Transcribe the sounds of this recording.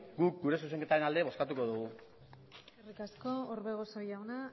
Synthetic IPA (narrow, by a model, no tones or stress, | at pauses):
ɡuk̚ɡuɾe̞s̬use̞ŋke̞t̪aɾe̞nald̪eβo̞skat̪uko̞ðuɣu | erikasko̞oɾβe̞ɣo̞sojawna